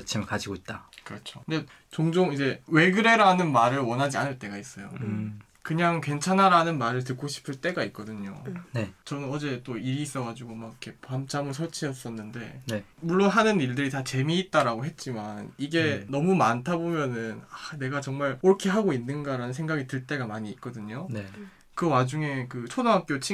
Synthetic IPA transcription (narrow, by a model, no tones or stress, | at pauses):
t͡ɕʰimkad͡ʑiɡoit̚t͈akɯɾʌt͡ɕʰoɯnde | t͡ɕoŋd͡ʑoŋid͡ʑe̞we̞ɡɯɾe̞ɾanɯnmaɾɯɭwʌnɦad͡ʑianɯɭt͈e̞ɡais͈ʌjo | kɯɲaŋkwe̞nt͡ɕʰanaɾanɯnmaɾɯɭtɯk͈oɕʰi̥pʰɯɭt͈e̞ɡait̚k͈ʌdɯɲo̰net͡ɕʌnɯnʌd͡ʑe̞t͈oiɾiːs͈ʌɡad͡ʑuɡomaɡkʰe̞pamt͡ɕ͈ʰamɯɭsʰʌɭt͡ɕʰiʌs͈ʌnːɯnde̞nmuɭːonɦanɯniɭdɯɾitat͡ɕe̞miːt̚t͈aɾaɡoɦe̞t̚t͡ɕ͈imaniɡe̞nʌmumantʰabomjʌnɯnane̞ɡat͡ɕʌŋmaɾɯɾʌkʰe̞ɦaɡoinːɯnɡaɾanɯnsʰe̞ŋɡaɡitɯɭt͈e̞ɡamaɲiːt̚k͈ʌdɯɲon | kɯwad͡ʑuŋe̞kɯt͡ɕʰodaŋɦak̚k͈jot͡ɕʰi